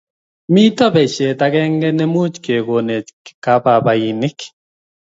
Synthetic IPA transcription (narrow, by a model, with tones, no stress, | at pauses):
mi˦tɔ˦bɛ˨t͡ʃe˨ta˦kɛ˦ŋɡɛ˦nɛ˦mu˦t͡ʃke˨ɡo˨ne˨kka˦pa˨ba˨i˨nɪ˦k